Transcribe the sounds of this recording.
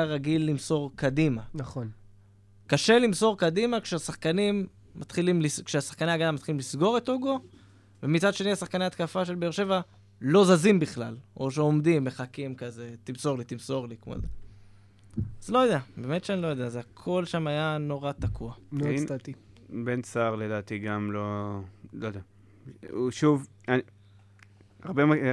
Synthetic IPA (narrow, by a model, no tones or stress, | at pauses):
aʁaɡilːimso̞ʁkad̪imanaχon | kaʃe̞limso̞ʁkad̪imakʃeasaχkanimː | at̪χilimliskʃeasḁχkaneaɡad̪amat̪χilimlisɡo̞ʁet̪oɡo | vemit͡sadʃe̞niasaχkaneat̪̚kafaʃe̞lbeeʃe̞va | lo̞zazimbiχla̰lo̞ʃ̬eo̞md̪imbeχakimkaze̞t̪imso̞ʁlit̪imso̞ʁlikmo̰ze | azlo̞jod̪eabe̞ːme̞t̪ʃeanilo̞jod̪eazeakʰo̞lʃamajano̞ʁat̪akʰualnat̪i | bent͡saʁledaːt̪iɡamlolojd̪ea | uʃuv | a | aʁbema